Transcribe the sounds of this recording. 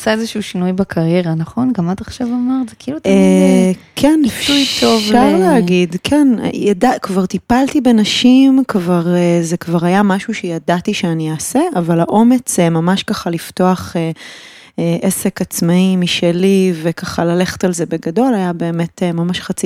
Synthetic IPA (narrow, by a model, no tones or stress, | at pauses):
asaezeʃuuʃinujbakʰaʁjeʁanaχo̞nɡamataχʃavamaʁzekiːlutː | kʰenifujtʰovʃaʁleaɡidkʰen̰jadakvaʁt̪ipaltibe̞naʃimkvaʁeze̞kvaʁhajamaʃuʃejadatiʃeanijaːse̞ʔavalaʔo̞me̞t͡semamaʃkaχalifto̞aχe | eʔese̞kat͡smaimiʃelive̞kaχalale̞χe̥talze̞be̞ɡado̞lajabe̞ːme̞temamaʃχat͡si